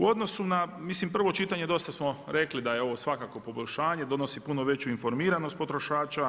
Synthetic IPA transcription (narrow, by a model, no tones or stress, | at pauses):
uo̞d̪no̞sunamislimpr̩ʋo̞t͡ʃit̪aɲe̞d̪o̞st̪asmo̞ɾe̞klid̪ajeo̞ʋo̞sʋakako̞po̞boʎʲʃaːɲe̞d̪o̞no̞sipuno̞ʋe̞t͡ɕuinfo̞ɾmiːɾano̞st̪̚po̞t̪ɾo̞ʃaːt͡ʃa